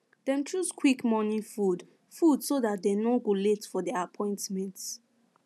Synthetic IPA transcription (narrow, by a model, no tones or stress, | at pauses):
d̥ɛ̃mtʰɹuskʰwikmɔnĩfud | fudsodat̚denoɡoletfɔdɛapʰɔ̃ɪ̃ntmɛ̃nt